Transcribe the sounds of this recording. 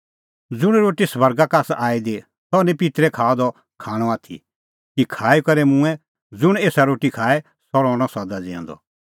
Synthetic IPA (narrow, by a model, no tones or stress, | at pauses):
d͡zʊɽ̃ɾoːʈisbɐɾɡakaːsaːid̪e | sɔnɛ̃pit̪ɾɛkʰaːɔd̪ɔ | kʰaːɽ̃ɔaːt̪ʰḭ | kikʰaːikɐɾɛmʊ̃ɛ̃ | d͡zʊɽ̃eːsaɾoːʈikʰaːɛ | sɔɾɔ̃ːɽ̃ɔsɐd̪ad͡zɛ̰̃nd̪ɔ̰